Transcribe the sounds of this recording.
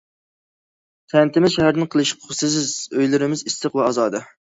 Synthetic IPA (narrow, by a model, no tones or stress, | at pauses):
t̪ʰɛnt̪ʰɪmɪzʃɛɦæɾnɪnqʰəlˠɨʃi̥qʰʊsɨs̬ɪzøjlɪɾɪmɪzist̪ɨqvɛɑzɑːd̪ɑ